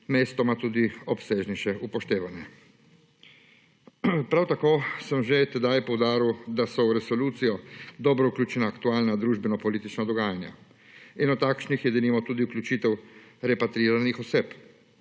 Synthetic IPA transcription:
meːst̪ɔmat̪uːd̪iɔpseːʒniʃɛʔupɔʃt̪eːʋanjɛ | pɾawt̪akoːsəmʒet̪ɛd̪ajpɔwd̪aːɾiwd̪asɔwɾɛsɔluːt̪sijɔd̪ɔːbɾɔuklʲut͡ʃɛnaːkt̪uaːlnad̪ɾuːʒbɛnɔpɔliːt̪it͡ʃnad̪ɔɡaːjanja̰ | inɔt̪ːakʃnixjɛd̪ɛliːmɔt̪uːd̪iukljut͡ʃit̪ɛwɾɛpat̪ɾiːɾanixɔseːp

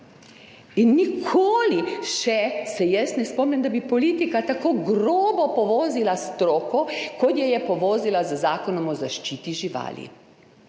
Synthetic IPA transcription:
inːikʰoːliʃɛsɛjɛst̪nɛspɔːmnʲɛmd̪abipɔliːt̪ikat̪akoːɡɾoːbɔpɔʋɔːzilast̪ɾoːkɔkɔt̪jɛjɛpɔʋɔːzilazəzaːkɔnɔmɔzaʃt͡ʃiːt̪iʒiʋa̰ːlḭ

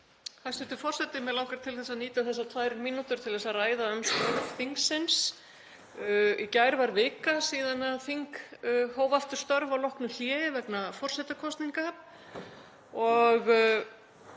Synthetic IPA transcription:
θast̪ʏht̪ʏ̥fɔr̥sɛt̪ɪmɛðlaːwkaɾ̥t̪ʰɪlθɛsaðniːt̪aθɛsːat̪ʰvaːjɾminːut̪ʏɾt̪ʰɪlθɛsaraːjðaœmst̪œɾθiŋksɪns | icajɾvaɾvɪːkasiːðanaðθiŋkhoːwvaft̪ʏ̥st̪œɾvawlɔhknʏl̥jɛːjɪvɛknafɔr̥sɛt̪akʰɔst̪niŋka | ɔɣ

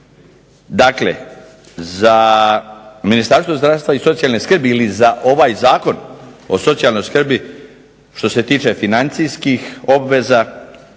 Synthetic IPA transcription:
d̪aklḛ | za | minist̪aɾst̪vo̞zd̪ɾaʋst̪ʋaiso̞t̪sijalneskr̩biilizaʔo̞ʋajzaːko̞no̞̰so̞t̪sijalˠno̞jskr̩bi | ʃt̪o̞se̞t̪iːt͡ʃe̞finant̪sijskixo̞bʋe̞za

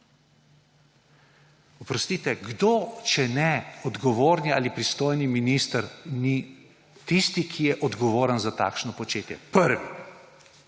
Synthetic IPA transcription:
ɔpɾɔst̪iːt̪ɛɡd̪oːt͡ʃɛnɛɔd̪ɡɔʋoːɾnia̰ːlipɾist̪oːjniminist̪əɾni | t̪ist̪ikʰijɛʔɔd̪ɡɔʋoːɾənzat̪a̰ːkʃnɔpɔt͡ʃeːt̪jɛ̰pəɾʋi

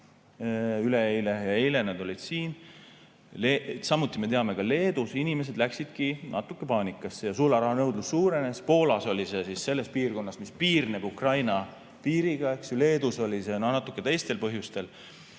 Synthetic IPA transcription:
yle̞ejle̞jɑejle̞ned̪o̞lʲid̪̥siːn | lesɑmːut̪ːˑime̞t̪e̞ɑme̞kɑle̞ːd̪̥usinime̞s̬e̞d̪̥læksid̪̥kinɑ̰t̪ːˑukːˑe̞pɑːnʲikːˑɑsːejɑsulɑɾɑɦɑnɤwd̪̥lusːuːɾe̞ne̞spo̞ːlɑso̞lʲise̞sisːe̞lːe̞spiːrko̞nːɑsmispiːrnebukrɑjnɑ | piːɾiɡ̥ɑe̞ksjule̞ːd̪uso̞lise̞nonɑt̪ːˑukːˑe̞t̪e̞jst̪e̞lpɤɦjust̪e̞l

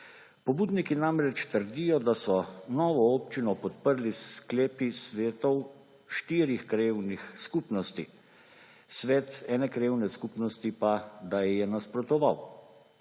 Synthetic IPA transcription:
pɔbuːd̪nikinamɾɛt͡ʃt̪əɾd̪ijɔd̪asɔnɔːʋɔɔːpt͡ʃinɔpɔt̪̚pəɾliskleːpisʋeːt̪ɔw | ʃt̪iːɾixkɾewnixskuːpnɔst̪ḭ | sʋɛːt̪ɛːnɛkɾewnɛskuːpnɔst̪ipad̪ajɛjɛnaspɾɔt̪ɔʋaw

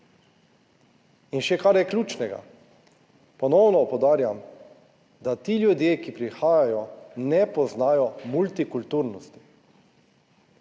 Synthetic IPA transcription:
inʃɛkaɾjɛklʲuːt͡ʃnɛɡa̰ | pɔnɔwnɔpɔwd̪aːɾjam | d̪at̪iːljud̪jeːkipɾixaːjajɔnɛpɔznaːjɔmult̪ikult̪uɾnɔst̪i̥

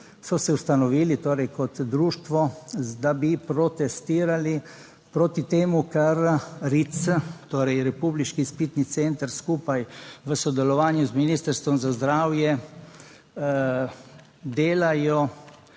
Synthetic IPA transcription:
sɔsɛwst̪anɔʋiːlit̪oːɾɛjkɔt̪d̪ɾuːʃt̪ʋɔd̪abipɾɔt̪ɛst̪iːɾali | pɾoːt̪it̪eːmukaɾɾit̪sət̪oːɾɛjɾɛpubliʃkispiːt̪nit̪sent̪əɾskuːpajʋəsɔd̪ɛlɔʋaːnjuzminiːst̪əɾst̪ʋɔmzazd̪ɾaːwjɛ | d̪eːlajɔ

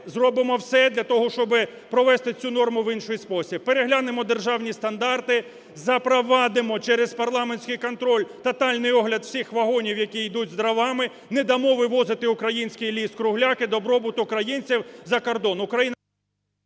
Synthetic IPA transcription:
zrɔbɪmɔwsɛd̪lʲɐt̪ɔɦɔʃt͡ʃɔbɪpɾɔʋɛst̪ɪt͡sʲunɔrmʊʋinʃʊjspɔsʲib̚peɾeɦlʲanemɔd̪erʒɑwnʲist̪ɐnd̪ɑrt̪ɪ | zɐpɾɔʋɑd̪ɪmɔt͡ʃɛɾezpɐrlˠɑmenʲsʲkɪjkɔnt̪ɾɔlʲt̪ɐt̪ɑlʲnɪjɔɦlʲɐd̪w̥sʲixʋɐɦɔnʲiwjɐkʲijd̪utʲzd̪ɾɐʋɑmɪ | nɛd̪ɐmɔʋɪʋɔzɪt̪ɪʊkɾɐjinʲsʲkɪjlʲiskɾʊɦlʲakɪd̪ɔbɾɔbʊt̪ʊkɾɐjinʲt͡sʲiwzɐkɔrd̪ɔnʊkɾɐjin

